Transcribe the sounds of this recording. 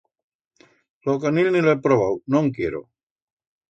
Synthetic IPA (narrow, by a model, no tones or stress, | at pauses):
lokanilniloepɾoβawnoŋkjeɾo̰